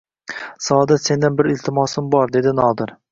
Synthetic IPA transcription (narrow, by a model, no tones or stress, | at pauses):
sɒd̪ɪse̞nd̪ɪnbɪɾɪlʲt̪ʰɪmɒsɪmbɒɾd̪e̞d̪ɪnɒd̪ɪɾ